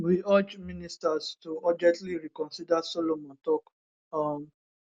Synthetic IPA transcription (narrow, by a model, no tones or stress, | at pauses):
wiad͡ʒmĩnĩstastuɔd͡ʒɛ̃tliɾikɔ̃nsidasɔlomɔ̃tɔk | am